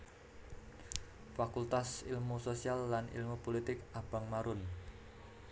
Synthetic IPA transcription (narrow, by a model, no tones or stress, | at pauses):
fakult̪asḭlmusosialːanḭlmupolit̪ɪkab̥a̤ŋmaɾʊn